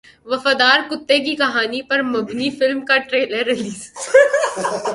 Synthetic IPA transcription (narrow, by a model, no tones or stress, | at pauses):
ʋɐfaːd̪aːɾkʊt̪ːek̬ikɐɦaːnipɐɾmɐbnifɪlmkaʈɾeːləɾːɪliːs